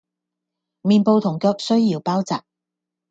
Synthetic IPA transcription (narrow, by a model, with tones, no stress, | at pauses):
miː˨npo˧wt̪ʰʊ˨˩ŋkœː˧k̚sɵ˥ɥjiː˨˥wpaː˥wt͡saː˨p̚